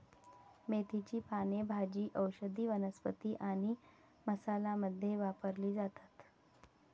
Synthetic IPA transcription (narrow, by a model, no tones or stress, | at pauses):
met̪it͡ɕiːpanebʱad͡ʑiːʔəwɕəd̪iːʋənəspət̪iːʔaɽ̃i | məsalaməd̪ʱːjeʋapəɾliːd͡zat̪ḁt̪